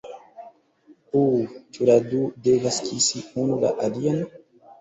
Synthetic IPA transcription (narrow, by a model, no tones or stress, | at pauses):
ut͡ʃuɾadudevaskisiunula̰ʔalian